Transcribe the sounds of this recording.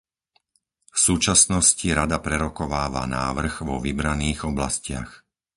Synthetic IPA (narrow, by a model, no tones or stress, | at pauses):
fsuːt͡ʃasnɔsciɾad̪apɾɛɾɔkɔʋaːʋa̰naːʋr̩ɣʋɔʋibɾaniːɣɔblascɪa̰x